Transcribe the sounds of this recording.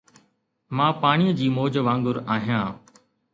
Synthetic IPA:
mãːpaːɳ̃iːəd͡ʑiːmoːd͡ʑʋãːŋɡʊɾaːɦijãː

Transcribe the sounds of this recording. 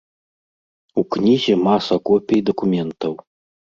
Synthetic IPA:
uknʲizʲɛmasɐkɔpʲejd̪ɐkumʲɛnt̪ɐw

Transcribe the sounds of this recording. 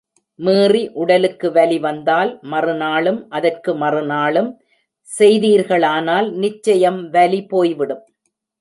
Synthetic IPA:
meːriʔʊɽɐlɯkːɯʋɐliʋɐnd̪aːlmɐrɯnaːlɯmʔɐðɐrkɯmɐrɯnaːlɯm | sɛjðiːɾɣɐɭaːnaːlnɪt͡ʃːɐjɐmʋɐlipoːjʋɪɽɯm

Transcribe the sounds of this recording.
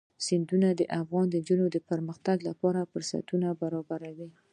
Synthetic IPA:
sɪnd̪unad̪əʔafɣɑnd̪ənd͡ʒunod̪əpəɾməxt̪aɡlapɑɾafəɾsa̰t̪unabaɾɑbaɾawi

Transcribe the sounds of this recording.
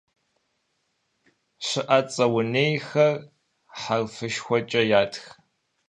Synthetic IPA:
ɕɨʔɐt͡sʼɐwʊneːjxɐr | ħarfɨʃxʷɔt͡ʃʼɐjaːtʰx

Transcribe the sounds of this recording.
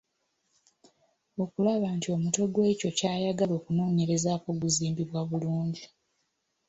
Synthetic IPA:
o̞kulaβantio̞muto̞ɡwe̞ːco̞caːjaɡalo̞ːkunoːɲe̞ɾe̞zaːko̞ɡuziːmbiβwaβuluːɲɟi

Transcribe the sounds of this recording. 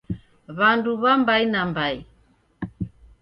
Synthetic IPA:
βanduβambainambai

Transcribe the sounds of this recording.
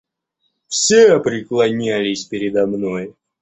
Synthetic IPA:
fsʲeɐpɾʲɪklˠɐnʲælʲɪsʲpʲɪɾʲɪd̪ɐmno̞j

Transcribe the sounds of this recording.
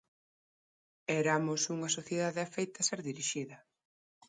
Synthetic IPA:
ɛɾamʊsuŋɐsoθjeðaðeafejt̪ɐseɾðiɾiʃiðɐ

